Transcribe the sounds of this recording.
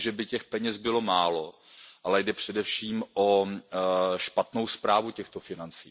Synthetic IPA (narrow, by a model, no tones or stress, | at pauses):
ʒɛbɪcɛxpɛɲɛzbɪlo̞maːlo̞ʔalɛjdɛpr̝̥ɛdɛfʃiːmʔo | ʃpat̪no̞wspɾaːvucɛxt̪o̞fɪnant͡sḭː